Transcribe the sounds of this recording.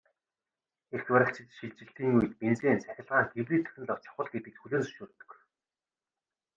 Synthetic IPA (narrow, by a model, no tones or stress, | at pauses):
erxwæɾʲə̆ɬt͡ɕɪ̆t̪ʃiɮt͡ɕɪ̆ɬt̪iːŋujɘ̆t̪ment͡seːnt͡sʰæxʲɪ̆ɮʁaːŋɡewriːt̪ʰɵ̥ɾʲɘ̆ɮɔw̥t͡ɕʰḁχə̆ɮɡet̪ɘ̆k̚txuɮeːnsɵ̥ʃuːrt̪ɵ̥̆k